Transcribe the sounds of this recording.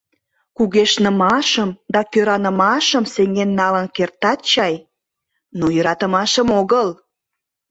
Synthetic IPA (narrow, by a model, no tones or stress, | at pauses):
kuɣeʃnəmɑʃəmd̪ɑkøɾɑnə̆mɑʃəmseŋɡenːɑlənkert̪ɑt̪̚t͡ɕɑj | nojəɾɑt̪əmɑʃəmoɣəl